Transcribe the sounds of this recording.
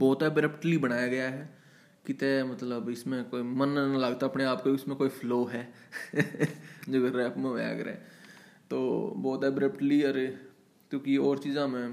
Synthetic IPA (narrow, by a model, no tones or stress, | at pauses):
bɔːt̪ɛbɾɛpʈlibɐɽ̃aːjaɡɐjaɦɛː | kɪt̪emɐt̪ləbɪsmẽkoːimɐnlaɡt̪aɐpneaːpkoɪsmẽkoːifʰloːɦɛː | d͡ʒoːɾɛːpmḛ̃a̰ɡɾḛ | t̪o̰ːbɔːt̪ɛbɾɛpʈliəɾe | kjõːkiɔːɾt͡ʃiːzãmẽ